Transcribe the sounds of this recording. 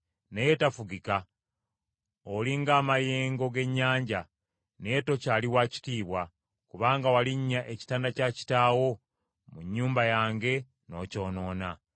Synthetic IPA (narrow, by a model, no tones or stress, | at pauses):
nejetafuɡika | oliŋɡaːmaje̞ːŋɡo̞ɡe̞ɲːaːɲɟa | nejetocaːliwaːci̥tiːβwa | kuβaːŋɡawaliɲːaʔe̞ci̥taːndacaːci̥taːwo̞ | muɲːuːmbajaːŋɡe̞ | no̞ːco̞ːno̞ːna